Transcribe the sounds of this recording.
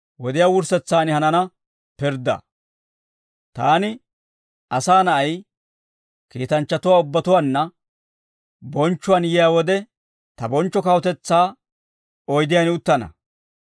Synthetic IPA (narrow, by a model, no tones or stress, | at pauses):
wɔd̪ɪjaːwʊɾsɛt͡sːaːnɪhɐnɐnɐ | pɪɾd̪ɐ̰ | t̪aːnɪ | ɐsaːnɐʔɐj | kiːt̪ɐnt͡ʃːɐt̪ʊwaːʊbːɐt̪ʊwanːɐ | bɔnt͡ʃːʊwanjɪjaːwɔd̪ɛ | t̪ɐbɔnt͡ʃːɔkɐwɔt̪ɛt͡sːaː | ɔjd̪ɪjanɪʊt̪ːɐnɐ̰